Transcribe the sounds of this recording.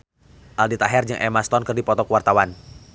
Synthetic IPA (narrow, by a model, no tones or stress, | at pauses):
ʔaldit̪aɦɛrd͡ʒəŋʔɛmast̪ɔnkɨrdipɔt̪ɔkəwart̪awan